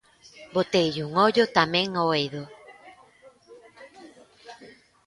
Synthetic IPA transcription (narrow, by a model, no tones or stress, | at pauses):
bot̪ejʎuŋɔʎot̪amẽŋoeðo